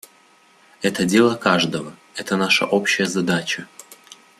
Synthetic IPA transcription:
ɛt̪ədʲelˠəkaʐd̪əvə | ɛt̪ənaʂə̰ʔopɕːɪjəzɐd̪at͡ɕə

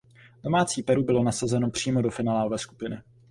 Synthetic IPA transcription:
d̥o̞maːt͡siːpɛɾubɪlo̞nasazɛno̞pr̝̥iːmo̞do̞fɪnaːlaːlovɛːsku̥pɪnɪ

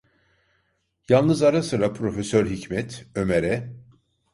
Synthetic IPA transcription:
jalˠnɯzaɾasɯɾapʰɾo̞fesøɾɦicmɛt̪ʰø̞meɾɛ

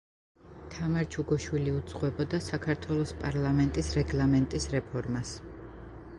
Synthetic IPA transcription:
t̪ʰamaɾd͡ʒʰuɡɔʃwiliud̪zʼqʼwɛbɔd̪asakʰaɾt̪ʰwɛlˠɔspʼaɾlˠamɛnt̪ʼisɾɛɡlˠamɛnt̪ʼisɾɛpʰɔɾmas

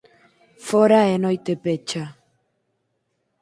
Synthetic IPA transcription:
foɾaenɔjt̪epet͡ʃa

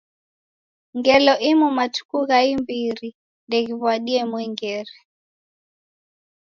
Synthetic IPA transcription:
ŋɡɛlɔʔimumatu̥kuɣaimbiɾi | ndɛɣiβwaɗiɛmwɛŋɡɛɾɛ

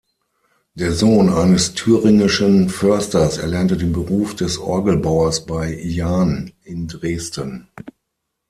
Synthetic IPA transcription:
d̥eːɐzoːnʔaɪnəstʰyːʁɪŋɪʃənfœɐstɐsɛ̰ɐlɛɐntədeːnbəʁuːfd̥ɛsʔɔ̰ɐɡəl̩baʊɐsb̥aɪjaːnɪndʁeːstən

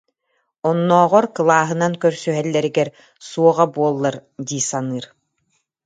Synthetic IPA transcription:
ɔnːɔːʁɔɾkɯlˠaːɦɯnaŋkœɾsyɦɛlːɛɾiɡɛɾ | suɔʁabuɔlˠːaɾd̪iːsanɯːɾ

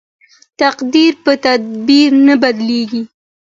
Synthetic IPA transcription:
t̪aqd̪iɾpət̪ad̪̚biɾnabad̪leɡi

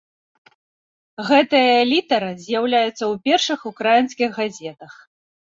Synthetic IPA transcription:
ɣɛt̪ɨjɐlʲit̪ɐɾɨzʲjawlʲajut̪sːɐwpʲɛrʂɨxukɾajinskʲiɣɣazʲɛt̪ɐx

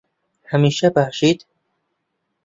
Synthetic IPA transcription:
hæmiːʃæbæχʃiːd̪̥

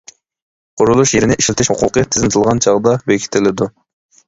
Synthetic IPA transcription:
qʰʊɾulˠuʃjeɾɪnɪʔiʃlʲɪt̪ʰɪʃhuqʰʊqɨt̪ʰɪzɪnɪt̪ʰɨlˠʁɑnt͡ʃʰɑʁd̪ɑbekʲʰi̥t̪ʰɪlɪd̪u

